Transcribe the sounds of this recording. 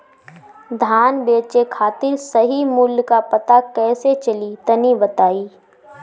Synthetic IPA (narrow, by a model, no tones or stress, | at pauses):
d̪ʱaːnbeːt͡ʃekʰaːt̪ɪɾsɐɦimʊljkapɐt̪akɛːset͡ʃɐlit̪ɐnibɐt̪aːiː